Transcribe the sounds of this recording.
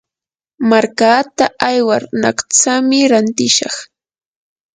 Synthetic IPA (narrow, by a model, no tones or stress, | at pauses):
maɾkaːt̪aʔajwaɾnakt͡samɪɾant̪ɪʃɑχ